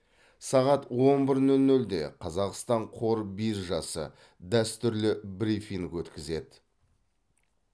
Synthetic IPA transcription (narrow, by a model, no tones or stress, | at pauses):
sɑʁɑt̪wo̞nbɪɾnɵlnɵld̪e̞̰qʰɑzɑqst̪ɑɴqʰo̞ɾbisʒɑsə̰ | d̪æst̪ʏɾlɪbɾifiŋkwɵt̪kʲɪze̞d̪ɪ